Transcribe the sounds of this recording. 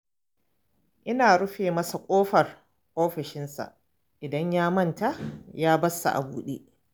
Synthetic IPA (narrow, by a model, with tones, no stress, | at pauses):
ʔɪ˦naː˨ɽʊ˦ɸeː˨mɐ˦sa˨kʷʼoː˦ɸɐ˨r | ʔoː˦ɸɪ˨ʃɪ˦nsa̰˨ | ʔɪ˨dɐ˦ɲjaː˦mɐ˦nta˦jaː˦bɐ˦sːa̰˨ʔa̰˨buː˦ɗḛː˦